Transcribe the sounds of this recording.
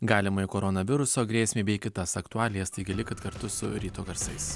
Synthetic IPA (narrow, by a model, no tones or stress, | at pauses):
ɡɑːlʲɪmɐɪkoːɾɔnɐʋʲɪɾʊsoːɡɾʲeːsʲmʲeːbʲɛɪkʲɪt̪ɐsɐkt̪ʊɑːlʲɪjɛst̪ɐɪɡʲɪlʲɪkɐt̪kɐɾt̪ʊsʊ̰ɾʲiːt̪oːɡɐɾsɐɪs